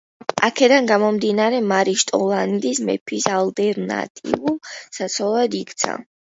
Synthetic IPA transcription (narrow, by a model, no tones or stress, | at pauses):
a̰kʰɛd̪anɡamɔmd̪inaɾɛmaɾiʃt̪ʼɔlˠand̪ismɛ̰pʰisalˠt̪ʼɛɾna̰t̪ʼḭvulˠsat̪sʰɔlˠad̪ikʰt̪sʰa̰